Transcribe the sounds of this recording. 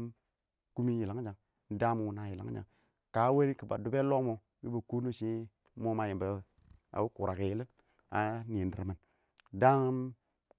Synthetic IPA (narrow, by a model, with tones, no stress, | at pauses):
ku˦mi˦ji˨la˨ŋ˦d͡ʒa˨ŋ˦ | da˦m˨wu˨na˦˨ji˨la̰˨˦ŋ˦d͡ʒa̰˨ŋ | ka˦we˦ɾi˦kə˨ba̰˨du˨be˦lo˦mo˨ | bḭ˦bə˨ku˦no˦ʃi˦ | mo˦ma˨ji˨bə˨˦ | a̰˨wu˦ku˨ɾa˨ke˨jlə˦ | a̰˨ni˨ndɾə̰˨mə˨n˦ | da˦ŋ˦m